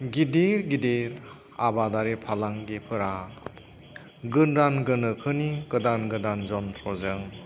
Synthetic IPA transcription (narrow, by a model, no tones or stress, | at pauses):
ɡideɾɡideɾ | abadaɾepʰalaŋɡipʰɯɾa | ɡɯnɾanɡɯnɯkʰɯniɡɯdanɡɯndanzɔntʰɾɔzɯŋ